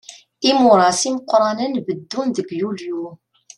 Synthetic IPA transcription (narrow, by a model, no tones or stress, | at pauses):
imʊɾˤɑsiməqʷːɾˤɑnənbəd̪ːunðəɡjulju